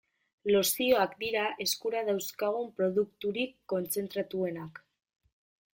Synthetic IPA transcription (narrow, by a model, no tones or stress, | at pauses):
lo̞sio̞akd̪iɾaʔe̞skuɾað̞awskaɣ̞umpɾo̞ðukt̪uɾikːo̞nt͡se̞nt̪ɾat̪ue̞nak